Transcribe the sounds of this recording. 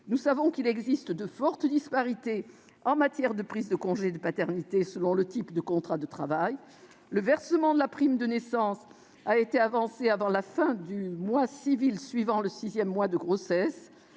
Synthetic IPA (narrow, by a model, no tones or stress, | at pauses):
nusavɔ̃kilɛɡzist̪d̪əfɔʁt̪d̪ispaʁit̪e | ɑ̃mat̪jɛʁd̪əpχizd̪əkɔ̃ʒed̪əpat̪ɛʁnit̪esəlɔ̃lət̪ipd̪əkɔ̃t̪χad̪ət̪χavaj | ləvɛʁsəmɑ̃d̪əlapχimd̪ənesɑ̃s | aet̪eavɑ̃seavɑ̃lafɛ̃d̪ymwasivilsɥivɑ̃ləsizjɛmːwad̪əɡʁosɛs